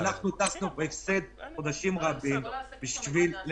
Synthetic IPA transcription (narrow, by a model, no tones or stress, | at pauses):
naχnut̪aχnubefsed̪̚χo̞d̪aʃimʁabimb̥iʃvil